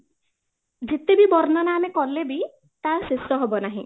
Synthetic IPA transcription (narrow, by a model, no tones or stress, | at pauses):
d͡ʒet̪ebibɔɾnanaːnekɔlebi | t̪aɾsesɔɦɔbɔnaɦḭ̃